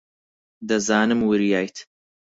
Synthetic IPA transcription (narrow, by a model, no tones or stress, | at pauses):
d̪ɐzaːnɨmwɨɾjaːjt̪